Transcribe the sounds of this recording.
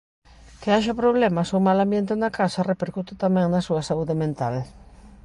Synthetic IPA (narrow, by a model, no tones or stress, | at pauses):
kɪaʃɐpɾoβ̞lɛmɐsomalambjent̪ɪnɐkasɐrepeɾkut̪ɪt̪amɛ̃ŋnɐsuɐsauðɪmẽnt̪al